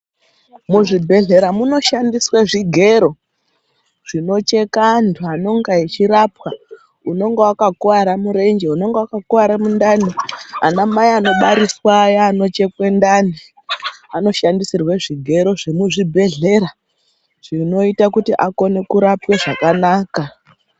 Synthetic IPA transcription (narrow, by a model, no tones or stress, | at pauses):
muʐibʱe̞ɮe̞ɾamuno̞ʃandiswaʐiɡʱe̞ɾo̞ | ʐ̥ino̞t͡ʃe̞kantʰuano̞ŋɡait͡ʃiɾapwa | uno̞ŋɡewakakuaɾamuɾe̞nd͡ʒeuno̞ŋɡewakakuʋaɾamundania̰namaiano̞ɓaɾiswajaːno̞t͡ʃe̞kwe̞ndani | ano̞ʃandisirweʐiɡʱe̞ɾo̞ʐemuʐibʱe̞ɮe̞ɾa | ʐ̥ino̞itakutiʔako̞ne̞kuɾapweʐakanaːka